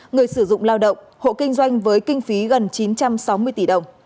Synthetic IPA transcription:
ŋɨ˨˩əjsɨ˧˩zʊ̰˧˨ŋ͡mlaː˧wɗə̰˧˨wŋ͡m | ho̰˧˨kï˧ŋ̟zwa˧jŋ̟vəː˨˦jkï˧ŋ̟fi˨˦ɣə˨˩nt͡ɕi˨˦nt͡ɕa˧msa˨˦wmɨ˧əjt̪i˧˩ɗə˨˩wŋ͡m

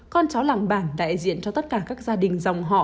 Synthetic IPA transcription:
kɔ˧nt͡ɕa˨˦wlaː˧˨ŋɓaː˧˩nɗa̰ː˧˨jzḭ˧˨ənt͡ɕɔ˧t̪ə˦˥t̚kaː˧˩kaː˦˥k̚zaː˧ɗï˨˩ŋ̟za˨˩wŋ͡mɦɔ̰˧˨

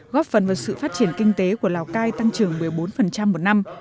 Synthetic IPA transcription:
ɣɔ˦˥p̚fə˨˩nvaː˨˩wsɨ̰˧˨faː˦˥t̚t͡ɕi˧˩ənkï˧ŋ̟t̪e˨˦ku˧˩əlaː˨˩wkaː˧jt̪a˧ŋt͡ɕɨ˨˩əŋmɨ˨˩əjɓo˨˦nfə˨˩nt͡ɕa˧mːo˨˩t̚na˧m

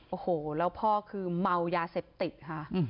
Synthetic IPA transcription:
ʔoː˧˩hoː˩lɛː˦˥wpʰɔː˥˩kʰɯː˧ma˧wjaː˧seː˨˩p̚t̪i˨˩t̪̚kʰa˦˥˩ʔ

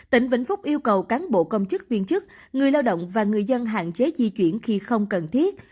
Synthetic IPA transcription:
t̪ï˧˩ŋ̟vḭ˧˩ŋ̟fʊ˦˥k͡p̚ʔi˧əwkə˨˩wkaː˨˦nɓo̰˧˨kə˧wŋ͡mt͡ɕɨ˦˥k̚vi˧ənt͡ɕɨ˦˥k̚ŋɨ˨˩əjlaː˧wɗo̰˧˨wŋ͡mvaː˨˩ŋɨ˨˩əjzə˧nɦa̰ː˧˨nt͡ɕe˨˦zi˧t͡ɕwḭ˧˩ənxi˧xə˧wŋ͡mkə˨˩nt̪ʰi˦˥ət̚

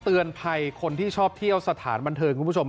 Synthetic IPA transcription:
t̪ɯ˧ənpʰa˧jkʰo˧nt̪ʰiː˥˩t͡ɕʰɔː˥˩p̚t̪ʰi˥˩əwsa˧˩t̪ʰa̰ː˩˦nba˧nt̪ʰɤː˧kʰu˧˨˦o˧m

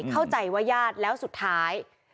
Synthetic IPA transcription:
kʰa˥˩wt͡ɕa˨˩jwaː˦˥˩jaː˥˩t̪̚lɛː˦˥wsu˨˩t̪ʰːaː˦˥j

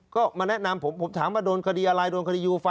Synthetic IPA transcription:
kɔː˥˩maː˧nɛ˦˥˩ʔna˧mpʰo˩˦mpʰo˩˦mt̪ʰaː˩˦maː˧˩doː˧nkʰa˧diː˧ʔa˧ɾa˧jdoː˧nka˧iː˧juː˧fa˧

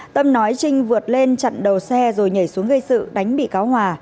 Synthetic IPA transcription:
t̪ə˧mnɔ˨˦jt͡ɕï˧ŋ̟vɨ˨˩ət̚le˧nt͡ɕa̰˧˨nɗə˨˩wsɛ˧zo˨˩jɲə˧˩jsu˨˦əŋɣə˧jsɨ̰˧˨ɗa˨˦jŋ̟ɓḭ˧˨kaː˨˦wɦwaː˨˩

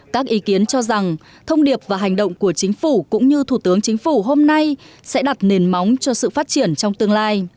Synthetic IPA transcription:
kaː˦˥k̚ʔi˨˦ki˨˦ənt͡ɕɔ˧za˨˩ŋ | t̪ʰə˧wŋ͡mɗi˨˩əp̚vaː˨˩ɦa˨˩jŋ̟ɗə̰˧˨wŋ͡mku˧˩ət͡ɕï˨˦ŋ̟fu˧˩kʊ̰˧˥ŋ͡mɲɨ˧t̪ʰu˧˩t̪ɨ˨˦əŋt͡ɕï˨˦ŋ̟fu˧˩ɦo˧mna˧j | sɛ̰˧˥ɗa˨˩t̚ne˨˩nma˨˦wŋ͡mt͡ɕɔ˧sɨ̰˧˨faː˦˥t̚t͡ɕi˧˩ənt͡ɕɔ˧wŋ͡mt̪ɨ˧əŋlaː˧j

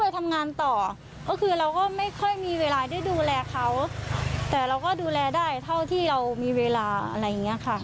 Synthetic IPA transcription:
jt̪ʰa˧mŋaː˧nt̪ɔː˨˩ | kɔː˥˩kʰɯː˧ɾa˧wkɔː˥˩ma˥˩jkʰɔ˥˩jmiː˧weː˧laː˧da˥˩˨jduː˧lɛː˧kʰa˦˥wt̪ɛː˨˩ɾa˧wkɔː˥˩duː˧lɛː˧daː˥˩jt̪ʰa˥˩wt̪ʰiː˥˩ɾa˧wmiː˧weː˧laː˧a̰˧ɾa˧jːa˨˩ŋːi˦˥ɐ˨kʰa˥˩

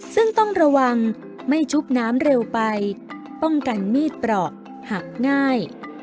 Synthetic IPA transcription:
sɯ˥˩ŋt̪ɔ˥˩ŋɾa˧wa˧ŋ | ma˥˩jt͡ɕʰu˦˥p̚naː˦˥mɾe˧wpa˧j | pɔ˥˩ŋka˧nmiː˥˩t̪̚pɾɔː˨˩k̚ | ha˨˩k̚ŋaː˥˩j

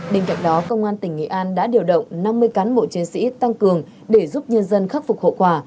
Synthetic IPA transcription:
ɓe˧˩ŋka̰˧˨ŋ̟ɗɔ˨˦kə˧wŋ͡mʔaː˧nt̪ï˧˩ŋ̟ŋḭ˧˨ʔaː˧nɗa̰ː˧˥ɗi˨˩əwɗə̰˧˨wŋ͡mna˧mːɨ˧əjkaː˨˦nɓo̰˧˨t͡ɕi˨˦ənsḭ˧˥t̪a˧ŋkɨ˨˩əŋ | ɗe˧˩zu˦˥p̚ɲə˧nzə˧nxa˦˥k̚fʊ˨˩k͡p̚ho̰˧˨kwaː˧˩

